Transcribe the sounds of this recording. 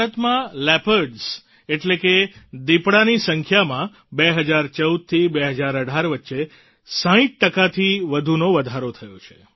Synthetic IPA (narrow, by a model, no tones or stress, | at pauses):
ət̪mãlɛpəɖs | eʈleked̪ipɽanisəŋkʰjamã | beɦəd͡ʒaɾt͡ʃəwd̪̚t̪ʰibeɦəd͡ʒaɾəɖʱaɾʋətːʃe | sãĩt̪̚ʈəkat̪ʰiʋəd̪ʱunoʋəd̪ʱaɾot̪ʰəjot͡ʃʰe̥